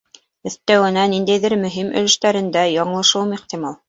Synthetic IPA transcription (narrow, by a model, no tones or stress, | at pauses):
ɵ̆θt̪æwɘ̆nænind̪æjðɘɾmɵ̆ɦimʔɵ̰̆lɘ̆ʃt̪æɾɘ̆nd̪æjɑɴlˠɤ̆ʃɤwmiχt̪imɑlˠ